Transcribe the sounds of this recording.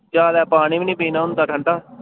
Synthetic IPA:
t͡ʃaːlɛːpaːñiːmɪnĩːpĩːnãːɦʊ̃nd̪aːkʰəɳʈaː

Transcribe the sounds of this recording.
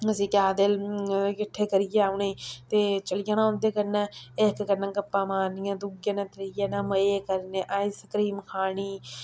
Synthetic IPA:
əsĩːkjaːd̪elkɪʈʰːeːkəɾɪjeːaʊnẽːt̪eːt͡ʃəlɪjaːñãːõnd̪eːkəɾnãːeːkkəɾnãːkəpːãːmaːɾnɪjãːd̪uɡjãːnãːt̪ɾjaːnãːməeːkəɾneːʔaːisəkɾiːmkʰaːɳiː

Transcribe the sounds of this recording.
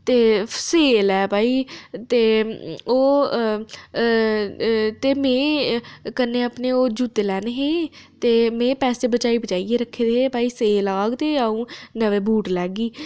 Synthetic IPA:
t̪eːseːlɛːpaːiːt̪eːoː | t̪eːmẽːkəneːəpneːoːd͡ʒuːt̪eːlɛːneɦeːt̪eːmẽːpɛːseːbət͡ʃaːibət͡ʃaːieːɾəkʰːeːd̪eeːpaːiːseːlaːɡt̪eːəũːnəʋeːbuːʈlɛːɡiː

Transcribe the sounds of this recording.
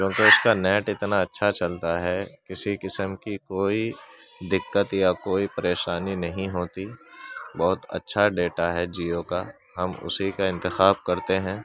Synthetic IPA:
t͡ʃjõːkeʊskanɛːʈɪt̪naɐtːʃʰat͡ʃɐlt̪aɦɛkɪsikɪsəmkikoːi | d̪ɪkːət̪jakoːipɐɾeːʃaːninɐɦĩɦoːt̪ibɔːʊt̪ɐ̰tːʃʰaɖeːʈaɦɛd͡ʒiːoka | ɦɐmʊ̰sikaɪ̃nt̪ɪxaːb̚kɐɾt̪eɦɛ̃ː

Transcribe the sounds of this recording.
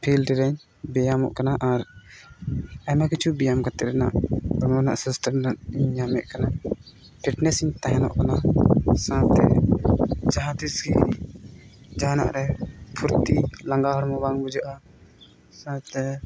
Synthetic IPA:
pʰilʈɾɛɲ | bɛjamɔ̰ʔkanaʔaɾ | amakit͡ʃʰubijamkat̪ɛʔɾɛna̰ʔɔɾmɔna̰ʔsisʈaɾnaiɲːamɛʔkana | pʰiʈnɛsiɲt̪aɦɛnɔ̰ʔkanasãt̪ɛ | d͡ʒaɦãt̪isɡi | d͡ʒana̰ʔɾɛpʰuɾt̪ilaŋɡaɦɔɾmɔbaŋbud͡ʒaʔa | sãt̪ɛ

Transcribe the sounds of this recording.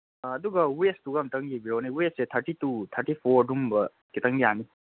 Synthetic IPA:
duɡɐwestuɡamtɐŋɡibiɾoniwesset̪ʰɐɾʈitut̪ʰɐɾʈipʰoɾdumbɐ | kit̪ɐŋɡijani

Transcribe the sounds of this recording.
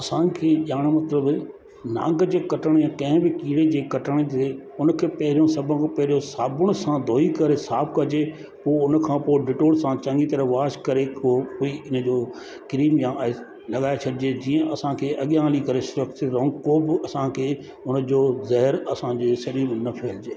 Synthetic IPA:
ɐsãkʰeːʄaːɽ̃mɐt̪ləb | nã̰ːŋɡəd͡ʑeːkɐʈəɽ̃jãːkɐ̃ɦɪ̃bɪkiːɽed͡ʑeːkɐʈəɽ̃t̪ʰe | ʊnkʰeːpɐɦɪɾijõsɐbʱə̃kpɐɦɪɾijõsaːbʊɽ̃ʊsãd̪ʱoːikɐɾesaːb̚kɐd͡ʑe | poːʊnkʰãːpoːɖɪʈoːɽsãt͡ɕɐ̃ŋɡit̪ɐɾəʋaːʃkɐɾeoːpoːiɪnd͡ʑoː | kɪɾiːmjãʔ | lɐɠaːet͡ɕʰɐɗɪd͡ʑed͡ʑiːə̃ʔɐsãkʰeːʔɐɠjãːlikɐɾesʊɾəkt̪eɾɔ̃ːŋkoːbɪɐsãkʰeː | ʊn̆d͡ʑoːzɐɦɪɾɐsãd͡ʑeːsɐɾiːmnɐpʰeːld͡ʑeː

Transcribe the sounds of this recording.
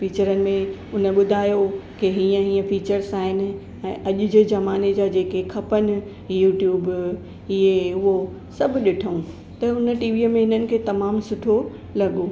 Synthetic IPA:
fiːt͡ɕəɾənɪ̆mẽʊnə̆ɓʊd̪ʱaːjokeɦiːə̃ɦĩːə̃fiːt͡ɕəɾsaːɦɪnɪ̆ | ɛ̃ːʔɐʄʊd͡ʑezɐmaːned͡ʑaːd͡ʑeːkekʰɐpənɪ̆ | juːʈjuːb | ɪɦeʊɦo | sɐbʱɗɪʈʰəũ | t̪ɐʊnə̆ʈiːʋiːmẽɦɪnənɪ̆kʰeːt̪ɐmaːmsʊʈʰo | lɐɠoː

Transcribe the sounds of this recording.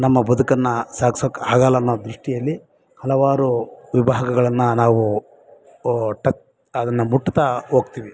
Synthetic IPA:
nɐmːɐbɐd̪ukɐnːɐsaːksokːaːɡaːlːɐːnːod̪ɾuʂʈijɐlːi | hɐlɐʋaːɾuʋibʱaːɦɐɡɐɡɐɭɐnːɐnaːʋu | ʈɐk | ɐd̪ɐnːɐmuʈːut̪ɐɦoːɡt̪iːʋi

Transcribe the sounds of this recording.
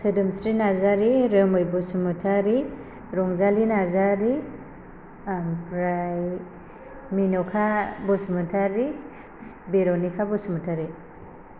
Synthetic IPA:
sədɯmsɾinaɾzaɾiɾəmɯjbɔsumɯtʰaɾi | ɾɔŋzalinaɾzaɾi | pɾaj | minɔkʰabɔsumɯtʰaɾi | beɾɔnikʰabɔsumutʰaɾi

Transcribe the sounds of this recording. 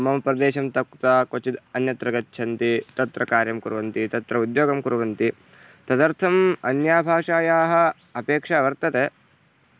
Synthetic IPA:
ɐmɐmpɾɐd̪eːʃɐmt̪ɐkt̪aːkot͡ʃid̪ɐnjɐt̪ɾɐɡɐt͡ʃːt͡ʃʰɐnt̪it̪ɐt̪ɾɐkaːɾjɐmkuɾʋɐnt̪it̪ɐt̪ɾɐud̪joːɡɐmkuɾɐʋɐnt̪i | t̪ɐd̪ɐɾt̪ʰɐmɐnjaːbʱaːʂaːjaːɦɐ̆ | ɐpeːkʂɐʋɐɾt̪ɐt̪e

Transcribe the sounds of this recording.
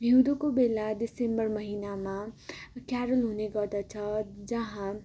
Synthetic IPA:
bʱiwd̪okobelad̪isembʌɾmʌɦinamãkjaɾəlɦuneɡʌd̪ʌt͡sʰʌd͡zʌɦã

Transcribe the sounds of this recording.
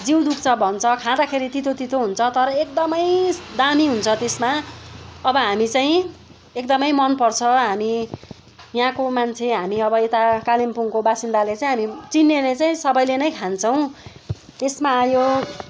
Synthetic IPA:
d͡ziwd̪ukt͡sʰʌbʱʌnt͡sʰʌkʰãd̪akʰeɾit̪it̪ʰot̪it̪ʰoɦunt͡sʰʌt̪ʌɾʌek̚d̪ʌmʌjd̪amiɦunt͡sʰʌt̪esma | ʌbʌɦamit͡saĩ | ekd̪ʌmʌjmʌnpʌrt͡sʰʌɦami | jɦãkomant͡sʰeɦamiʌbʌet̪akalimpuŋkobasind̪alet͡saĩɦamit͡sinːelet͡saĩsʌbʌjlenʌjkʰant͡sʰʌw̃ | t̪esmajo

